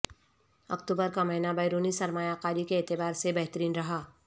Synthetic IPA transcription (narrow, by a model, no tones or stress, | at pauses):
ɐ̰kt̪uːbəɾkamɐɦɪnabɐːɾuːnisɐɾmaːjaːqaːɾikeːt̪ɪbaːɾsebɐɦt̪əɾiːnɾɐɦaː